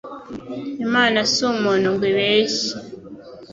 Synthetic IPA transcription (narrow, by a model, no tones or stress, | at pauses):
imaːnasumonuɡweβeːʃi